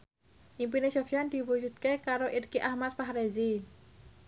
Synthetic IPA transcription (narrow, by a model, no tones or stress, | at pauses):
ʔimpinesofijand̪̥i̤wud͡ʒut̪̚kekaɾoʔirkiʔahmat̪̚faɦɾezi